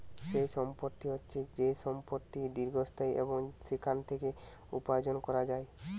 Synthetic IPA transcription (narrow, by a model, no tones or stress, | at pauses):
ʃejʃɔmpoɾt̪ːiɔt͡ʃʰid͡ʑejsɔmpoɾt̪ːid̪iɾɡʱost̪ʰajʔḛboŋsikʰant̪ʰeke | upajod͡ʒonkɔɾad͡ʒae